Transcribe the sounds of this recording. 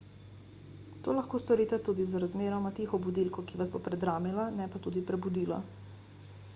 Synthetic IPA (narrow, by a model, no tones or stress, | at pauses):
t̪oːlaxkoːst̪ɔɾiːt̪ɛt̪uːd̪izɾazmeːɾɔmat̪eːxɔbud̪ilkɔkiʋazboːpɾɛd̪ɾaːmilanɛpat̪uːd̪ipɾɛbud̪iːlɔ̰